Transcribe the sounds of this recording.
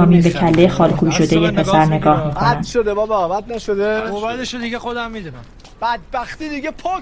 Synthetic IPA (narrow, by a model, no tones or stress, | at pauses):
ɒːmiːnbe̞cʰælːejexɒːlkʰuiʃo̞d̪e̞jepʰe̞sæɾne̞ɡɒːhmiːkʰoædnænʃod̪ebɒːbeɒːbæd̪̚næʃod̪eobæeʃod̪iɡexod̪æmːid̪unæm | b̥æd̪̚bæxt̪iːd̪iɡepʰɒ